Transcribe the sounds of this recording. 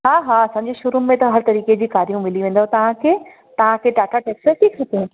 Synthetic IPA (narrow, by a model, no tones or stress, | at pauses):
ɦaːɦaːɐsɐ̃ɲd͡ʑeʃʊɾumẽt̪ɐɦɐɾt̪ɐɾiːked͡ʑiːkaːɾijũmɪliʋẽːn̆d̪aɦt̪ɐʋ̤ãkʰeː | t̪ɐʋ̤ãkʰeʈaːʈʰaʈeːksəʈʰiːksɐkeɦɛ̃